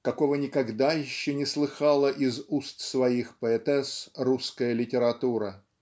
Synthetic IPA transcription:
kɐko̞vənʲɪkɐɡd̪ajɪɕːonʲɪslˠɨxɑlˠəʔɪzust̪svɐixpəɛt̪ɛsruskəjəlʲɪtʲɪɾɐt̪uɾə

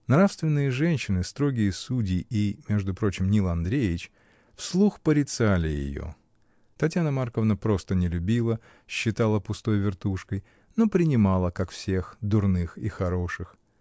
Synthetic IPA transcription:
nɾafst̪vʲɪnːɨjəʐɛnʲɕːɪnɨst̪ɾo̞ɡʲɪjəsudʲɪʔimʲe̞ʐd̪ʊpɾo̞t͡ɕɪmnʲilˠɐnd̪ɾʲejɪt͡ɕ | fslˠuxpəɾʲɪt̪salʲɪjɪ̰jo̰ | t̪ɐtʲjanəmarkəvnəpɾo̞st̪ənʲɪlʲʉbʲilˠə | ɕːɪt̪alˠəpʊst̪o̞jvʲɪrt̪uʂkəj | no̞pɾʲɪnʲɪmalˠəkakfsʲe̞xd̪ʊrnɨxixɐɾo̞ʂɨx

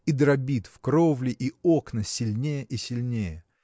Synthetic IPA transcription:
id̪ɾɐbʲit̪fkɾovlʲɪʔio̞knəsʲɪlʲnʲejəʔisʲɪlʲnʲejə

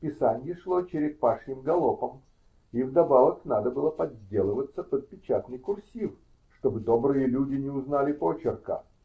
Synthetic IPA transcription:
pʲɪsanʲɪjɪʂlˠot͡ɕɪɾʲɪk̪̚paʂnʲɪmɡɐlˠopəm | ivd̪ɐbavəknad̪əbɨlˠəpɐdʲːe̞lˠəvət̪sːəpəd̪̚pʲɪt͡ɕat̪nɨjkʊrsʲif | ʂt̪o̞bɨd̪obɾɨjəlʲudʲɪnʲɪʊznalʲɪpot͡ɕɪrkə̰

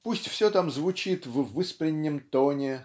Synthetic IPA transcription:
pusʲtʲfsʲɵt̪amzvʊt͡ɕit̪vvɨspɾʲɪnʲːɪmt̪onʲɪ

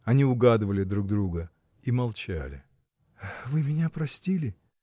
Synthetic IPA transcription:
ɐnʲiʊɡad̪ɨvəlʲɪd̪ɾuɡ̚d̪ɾuɡə | imɐlˠt͡ɕa̰lʲɪ̰ | vɨmʲɪnʲapɾɐsʲtʲilʲɪ

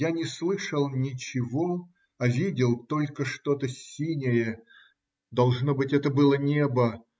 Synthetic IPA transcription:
janʲɪslˠɨʂəlˠnʲɪt͡ɕɪvo̞ | ɐvʲidʲɪlˠt̪o̞lʲkəʂt̪o̞t̪əsʲinʲɪjə | d̪ɐlˠʐno̞bɨtʲɛt̪əbɨlˠənʲe̞bə

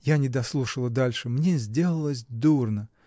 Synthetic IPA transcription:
janʲɪd̪ɐslˠuʂəlˠəd̪alʲʂɨmnʲezʲdʲe̞lˠəlˠəsʲd̪urnə

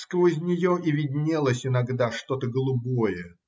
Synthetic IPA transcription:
skəvəɪzʲnʲɪjoʔivʲɪdʲnʲelˠəsʲɪnɐɡd̪aʂt̪o̞t̪əɡəlˠʊbo̞jə

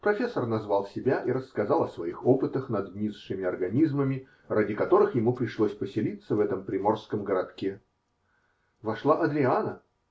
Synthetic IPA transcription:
pɾɐfʲesːərnɐzvɑlˠsʲɪbʲaʔiɾəskɐzɑlˠɐsvɐixopɨt̪əxnɐd̪vʲnʲizʂɨmʲɪɐrɡɐnʲizməmʲɪ | radʲɪkɐt̪o̞ɾɨxjɪmupɾʲɪʂlˠosʲpəsʲɪlʲit̪səvɛt̪əmpɾʲɪmo̞rskəmɡəɾɐt̪kʲe | vɐʂlˠaʔɐd̪ɾʲɪanə

